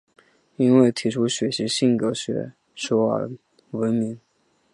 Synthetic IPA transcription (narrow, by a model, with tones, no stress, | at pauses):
i˥nwe˥˩ɪt̪ʰi˧˥ʈ͡ʂʰu˥ɕɥɛ˧˥ɕi˧˥ɕi˥˩ŋkɤ˧˥ɕɥɛ̰˧˥ | ʂɔ˥ə̰˧˥ | wə˧˥nmi˧˥ŋ